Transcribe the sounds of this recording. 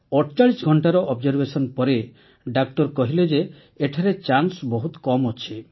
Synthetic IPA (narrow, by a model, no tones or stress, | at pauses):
ɔʈt͡ʃaɭisɡʱɔɳʈaɾɔʔɔbd͡ʒɔɾbesɔnpɔɾe | ɖak̚ʈɔɾkɔɦiled͡ʒeː | ʈʰaɾet͡ʃansbɔɦut̪kɔmɔt͡ʃʰi